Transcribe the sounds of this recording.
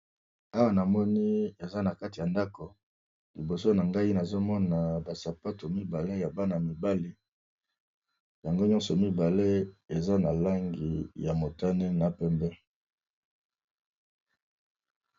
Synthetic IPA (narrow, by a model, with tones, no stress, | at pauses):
a˦wa˨na˨mɔ˦ni˦e˨za˦na˨ka˦ti˨ja˨nda˦ko˨ | li˨bo˨so˦na˨ŋɡa˦i˦na˨zo˦mɔ˦na˨ba˨sa˨pa˦to˨mi˦ba˨le˦ja˨ba˦na˨mi˨ba˦li˦ | ja˨ŋɡo˦ɲɔ̃˦nsɔ˨mi˦ba˨le˦e˨za˦na˨la˦ŋɡi˨ja˨mo˨ta˦ne˦na˨pɛ˦mbɛ˦